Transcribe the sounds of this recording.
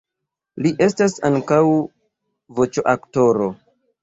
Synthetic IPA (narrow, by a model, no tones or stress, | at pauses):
liʔe̞stasaŋkaw | vo̞t͡ʃoʔakto̞ɾo̞